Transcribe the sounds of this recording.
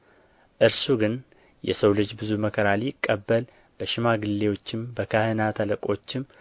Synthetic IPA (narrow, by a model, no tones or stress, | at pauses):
ʔɨɾsuɡɨn | jɛ̰səwlɨd͡ʒbɨzuməkʰəɾaliɪkʼːəbːəl | b̥əʃɪmaɡɨlːe̞wo̞t͡ʃːɪmbəkʰəhɨnat̪ʰələkʼo̞t͡ʃːɪm